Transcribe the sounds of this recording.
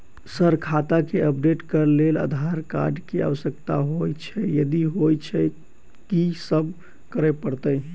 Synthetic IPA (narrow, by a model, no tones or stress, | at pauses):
səɾkʰat̪akeəpɖeʈkəɾlela̰d̪ʱaɾka̰ɾɖkea̰ʋəsək̚t̪aɦojt͡ʃʰɛjəd̪iɦojt͡ʃʰɛ | kisəbʱ | kəɾɛpəɽt̪ə